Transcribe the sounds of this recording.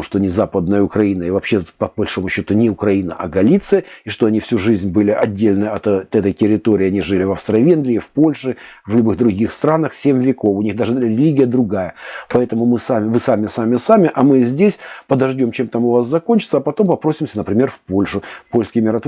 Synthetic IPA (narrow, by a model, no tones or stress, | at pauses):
ʂt̪onʲɪzapəd̪nəjəʊkɾɐinəɪvɐpɕːepəbɐlʲʂo̞mʊɕːo̞t̪ʊnʲɪʊkɾɐinə̰ʔɐɡɐlʲit̪sɨjəiʂt̪o̞ɐnʲifsʲuʐɨzʲnʲbɨlʲɪʔɐdʲːelʲnɨɐt̪t̪ɛt̪əjtʲɪɾʲɪt̪o̞ɾʲɪːɐnʲiʐɨlʲɪvɐfst̪ɾɐvʲenɡlʲɪːfpo̞lʲʂɨ | vlʲʊbɨɣd̪ɾʊɡʲixst̪ɾanəxsʲemʲvʲɪko̞fʊnʲiɣd̪aʐɨɾʲɪlʲiɡʲɪjəd̪ɾʊɡajəpɐɛt̪əmʊmɨsamʲɪvɨsamʲɪsamʲɪsamʲɪʔɐmɨzʲdʲesʲpəd̪ɐʐdʲo̞mt͡ɕemt̪amʊvasːɐko̞nʲt͡ɕɪt̪səɐpɐt̪o̞mpɐpɾosʲɪmsʲənəpɾʲɪmʲe̞rfpo̞lʲʂʊpo̞lʲskɪjmʲɪɾɐt̪